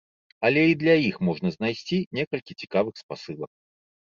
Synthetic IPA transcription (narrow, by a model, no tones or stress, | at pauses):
ɐlʲɛid̪lʲɐixmɔʐnɐznajsʲt͡sʲinʲɛkɐlʲkʲit͡sʲi̥kavɨxspasɨlˠɐk̚